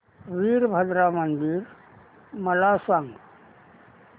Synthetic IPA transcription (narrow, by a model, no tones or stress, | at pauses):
ɾiːɾbʱəd̪ɾaːmənd̪iɾ | mɐlaːsəŋɡ